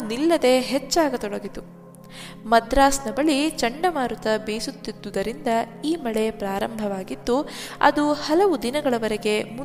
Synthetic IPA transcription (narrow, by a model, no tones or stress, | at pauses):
nilːɐd̪e̞ɦet͡ʃːaːɡɐt̪ɔɽɐɡit̪u | mɐd̪ɾaːsnɐbɐɭit͡ʃɐɳɖɐmaːɾut̪ɐbeːsut̪ːid̪ːud̪ɐɾind̪ɐ | iːmɐɭe̞pɾaːɾɐmbʱɐʋaːɡid̪ːuɐ̰d̪uhɐlɐʋud̪inɐɡɐɭɐʋɐɾeɡe̞mu